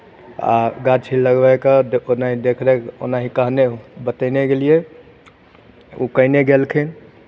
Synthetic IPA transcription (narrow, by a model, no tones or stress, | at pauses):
a̰ɡat͡ʃʰiləɡbɛkəonaɦid̪ekʰɾɛko̰naɦikəɦnebət̪əneɡelije | ṵkəineɡelkʰɛn